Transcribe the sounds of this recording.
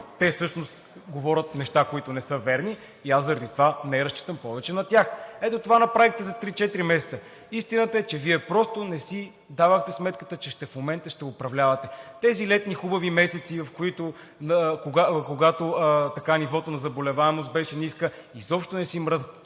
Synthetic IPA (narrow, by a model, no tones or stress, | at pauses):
t̪ɛfsɤʃnost̪ | ɡovɔɾʲət̪nɛʃt̪akoit̪onɛsɤvɛɾniː | aszɐɾɐd̪it̪ovanɛɾɐst͡ʃi̥t̪əmpɔvɛt͡ʃɛnɐt̪ʲaxɛt̪ot̪ovanɐpɾavixt̪ɛzɐt̪ɾit͡ʃɛt̪ɾimɛsɛ̥t̪sə | ist̪inət̪əɛt͡ʃɛviɛpɾɔst̪onɛsi | d̪avəxt̪ɛsmɛt̪kə̥t̪ət͡ʃɛʃt̪ɛfmomɛnt̪əʃt̪ɛʊpɾɐvlʲavɐt̪ɛt̪ɛzilɛt̪nixubəvimɛsɛt̪sivɐfkoit̪o | nkoɡakoɡat̪ot̪ɐkanivɔt̪onɐzɐbolɛvaɛmost̪̚bɛʃɛniskəizɔpʃt̪onɛsimɾəzət̪